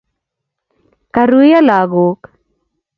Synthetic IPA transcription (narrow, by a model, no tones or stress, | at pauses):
kaɾujalaːɡoːk